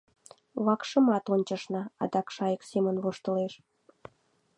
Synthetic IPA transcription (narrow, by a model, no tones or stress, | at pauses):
βɑkʃə̆mɑt̪onʲt͡ɕəʃnɑɑd̪ɑkʃɑjəksemənβoʃt̪əleʃ